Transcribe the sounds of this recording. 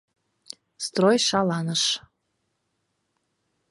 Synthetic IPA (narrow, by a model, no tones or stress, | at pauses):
st̪rojʃɑlɑnəʃ